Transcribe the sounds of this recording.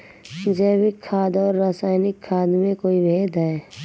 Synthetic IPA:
d͡ʒɛːwɪkʰːaːd̪ɔːɾːaːsaːɪnɪkʰːaːd̪mẽkoːibʱeːd̪ɦɛː

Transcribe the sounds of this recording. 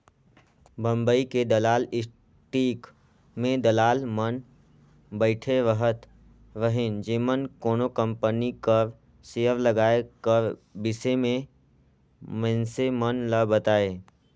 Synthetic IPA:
bə̃mbəiked̪ɐlaːlɪs | ʈiːk | mẽd̪ɐlaːlmən | bəɪʈʰeʋəɦət̪ | ʋəɦɪnd͡ʒeːmənkoːnokə̃mpənikəɾ | seːəɾləɡaːekəɾbɪsemẽ | mə̃nsemənləbət̪aːeː

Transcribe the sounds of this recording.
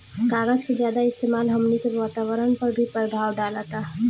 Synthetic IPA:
kaːɡəd͡ʒked͡ʒjaːd̪aɪst̪eːmaːlɦɐmnikeʋaːt̪aːwəɾənpɐɾbʱipəɾd̪ʱaːwɖaːlat̪a

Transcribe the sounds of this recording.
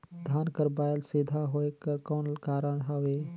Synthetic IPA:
d̪ʱaːnkəɾbaːjəlseːd̪ʱaɦoekəɾkɔːnlkaːɾəɳɦəʋe

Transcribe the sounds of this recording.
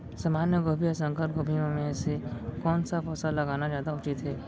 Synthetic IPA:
saːmaːnjəɡoːbʱiəsə̃ŋkəɾɡoːbʱiõmẽsekɔːnsafɔːsalɐɡaːnad͡ʒjaːd̪aʊt͡ʃit̪ʰɦɛː

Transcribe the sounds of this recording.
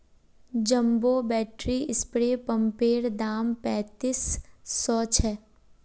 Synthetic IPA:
d͡ʒəmbobɛːʈɾiɪspɾeːpə̃mpeːɾd̪aːmpɛ̃ːt̪iːsːɔːt͡ʃʰɛː

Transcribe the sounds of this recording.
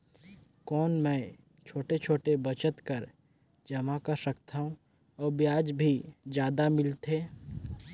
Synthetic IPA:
kɔːnmɛ̃ː | t͡ʃʰoːʈet͡ʃʰoːʈebət͡ʃət̪kəɾ | d͡ʒɐmakɐɾsəkt̪ʰaːɦũ | ɔːɾbjaːd͡ʒbʱid͡ʒjaːd̪amɪlt̪ɦeː

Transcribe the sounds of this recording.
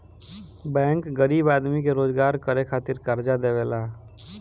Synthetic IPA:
bɛ̃ːŋkɡəɾiːbaːd̪mikeɾoːd͡ʒɡaːɾkəɾekʰaːt̪ɪɾkəɾd͡ʒad̪eːʋeːlaː

